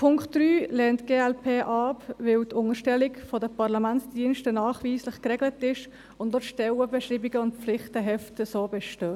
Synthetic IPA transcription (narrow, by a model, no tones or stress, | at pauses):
pʰʊŋkχtd̥ɾyːlɛːntɡ̥eːɛlpʰeːʔɑpvɪltʊŋəʃtɛlɪkfɔdəpɑʁlamæntsd̥iənʃtənɑːχʋiːslɪχkɾɛɡlətɪʃ | ʊndlɔtʃtɛwəbɛʃɾiːbiɡəʊntp͡fflɪχtəɦɛftəsoːbɛʃtøː